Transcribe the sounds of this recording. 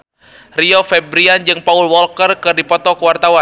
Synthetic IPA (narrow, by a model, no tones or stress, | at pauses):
riɔfɛbɾiand͡ʒɨŋpaulwɔlkərkɨrdipɔt̪ɔkuwart̪awa